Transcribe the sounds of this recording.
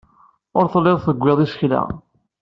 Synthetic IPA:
ʊɾθlːɪðˤθəɡʷːeðˤisçla̰

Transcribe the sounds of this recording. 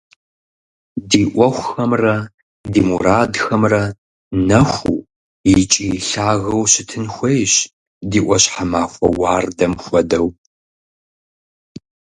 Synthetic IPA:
diːʔʷɔxʷxɐmrɐ | diːmuɾaːdxɐmrɐ | nɐxʷṵː | jit͡ʃʼiɬaːɣɐwɕɪtʰɨnxʷejɕ | diːʔʷɔɕħamaːxʷɐ̰waːrdɐmxʷɔdɐw

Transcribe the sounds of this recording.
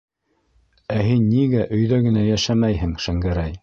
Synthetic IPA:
æɦinːiɡæʔɵ̆jðæɡɘ̆næjæʃæmæjhɘŋʃæŋɡæɾæj

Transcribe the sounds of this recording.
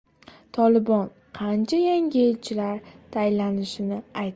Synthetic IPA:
t̪ʰɒlɪbɒn | qʰɑnt͡ʃʰajaŋʲɪelt͡ʃʰɪlaɾt̪ʰajlanɪʃɪnɪajt̪

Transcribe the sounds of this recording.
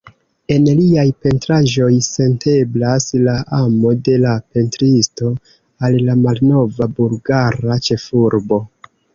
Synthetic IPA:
e̞nliajpe̞ntɾaʒo̞jse̞nte̞blaslaʔamo̞de̞lape̞ntɾisto̞ | allamalno̞vabulɡaɾat͡ʃe̞fuɾbo̞

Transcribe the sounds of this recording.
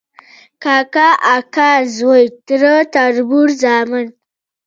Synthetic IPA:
kakaʔakazwojt̪ɾət̪aɾbuɾzamɪn

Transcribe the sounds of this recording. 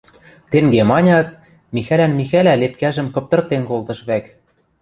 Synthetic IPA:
t̪eŋɡemɑnʲɑt̪̚ | mixælænmixælælep̚kæʒə̆mkɤ̆p̚t̪ɤ̆rt̪enkolt̪ɤ̆ʃβæk

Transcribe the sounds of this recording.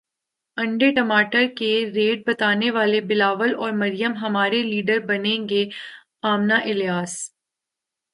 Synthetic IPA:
ɐ̃ɳɖeʈɐmaːʈəɾkeɾeːʈ̚bɐt̪aːneʋaːlebɪlaːʋəlɔːɾmɐɾijəmɦɐmaːɾeliːɖəɾbɐnẽːŋɡe | aːmnaʔɪljaːs

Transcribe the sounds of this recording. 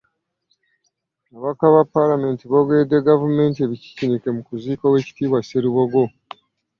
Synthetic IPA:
aβakaβapːalame̞ːntiβoɡe̞ːdeɡavume̞ːntie̞βici̥cinike̞mukuziːkawe̞ːci̥tiːβwaseɾiβoɡo̞

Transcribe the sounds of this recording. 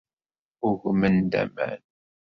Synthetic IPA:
ʊʝmənd̪æ̰mæ̰n

